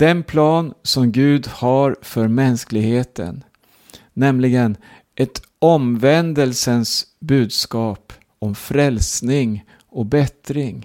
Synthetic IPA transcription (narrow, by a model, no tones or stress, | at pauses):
d̪̥ɛnpʰlɑːnsɔmɡʉ̟ːd̪hɑɾfœɾmɛnsklɪɡheːt̪ʰə̰nː | ɛmlɪɡən | ʔɛt̪ | ɔmvɛnd̪əlsənsbʉ̟ːd̪skɑːp | ɔmfɾɛlsnɪŋ | ɔk̚bɛt̪ɾɪŋ